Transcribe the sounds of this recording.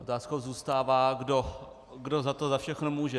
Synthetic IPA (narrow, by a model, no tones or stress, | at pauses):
ʔot̪aːsko̞wzuːst̪aːvaːɡdo | ɡdozat̪ozafʃɛxnomuːʒɛ